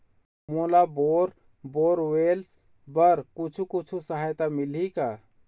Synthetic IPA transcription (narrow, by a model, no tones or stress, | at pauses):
molaboɾ | boːɾwels | bəɾkut͡ʃʰukut͡ʃʰusəɦajt̪amilika